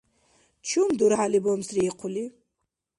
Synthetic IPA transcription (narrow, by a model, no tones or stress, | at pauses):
t͡ʃʰumd̪uɾʕalibɔmsriːqʷʰʊli